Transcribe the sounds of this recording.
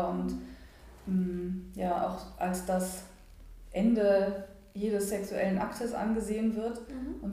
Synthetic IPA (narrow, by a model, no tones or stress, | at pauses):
ʊnt | ʔɛmjaːʔa̰ʊxʔalsd̥as | ʔɛndə | jeːdəsːɛksuʔɛlənʔaktʰəsʔa̰nɡəzeːənvɪɐtʔʊn